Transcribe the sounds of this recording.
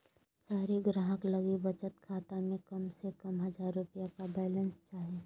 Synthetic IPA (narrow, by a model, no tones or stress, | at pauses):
saːɾiɡɾaːɦəkləɡibət͡ʃət̪kʰaːt̪amẽkəmsekəmɦəd͡ʒaːɾːʊpijakabɛːlənst͡ʃaːɦeː